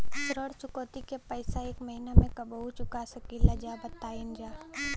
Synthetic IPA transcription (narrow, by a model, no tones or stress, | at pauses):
sɾəɽt͡ʃʊkɔːt̪ikepəɪsaeːkmɐɦinamẽkɐbɦut͡ʃʊkasɐkilɐd͡ʒabɐt̪ːaːɪnd͡ʒaː